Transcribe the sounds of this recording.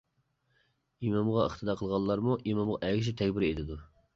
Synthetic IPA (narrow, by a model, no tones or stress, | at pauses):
imɑmʁɑəχt̪ʰɨd̪ɑqʰəlˠʁɑlˠːɑɾmuʔimɑmʁɑʔɛɡʲɪʃ̬it̪ʰɛkʲbɪɾed̪ɪd̪u